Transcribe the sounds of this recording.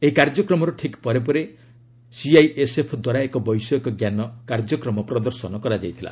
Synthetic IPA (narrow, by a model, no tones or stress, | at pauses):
eikaɾd͡ʒɔkɾɔmɔɾɔʈʰikpɔɾep̬ɔɾe | siajesepʰɔd̪waɾaekɔbɔjsɔkɔɡjanɔkaɾd͡ʒɔkɾɔmɔpɾɔd̪ɔɾsɔnɔkɔɾad͡ʒajt̪ʰila̰